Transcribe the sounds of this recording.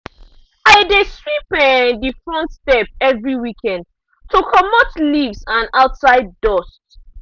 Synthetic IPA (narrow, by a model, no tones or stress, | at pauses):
aɪdeswipɛndifɹɔ̃ntstɛp̚ɛvɹiwikʰɛ̃nd | tʰukʰɔmɔtlivsãnaʊtsaɪd̚ːɔst